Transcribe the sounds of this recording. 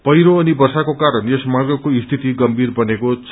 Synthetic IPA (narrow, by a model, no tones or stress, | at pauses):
pʌjɾoʌnibʌrsakokaɾʌnesmarɡʌkoist̪ʰit̪iɡʌmbʱirbʌnekot͡sʰ